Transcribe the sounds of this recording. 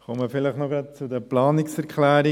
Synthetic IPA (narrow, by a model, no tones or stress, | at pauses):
χɔməfɪləχnɔɡɾɑt̪̚t͡sud̪əplɑːnɪksɛɾkʰlæːɾi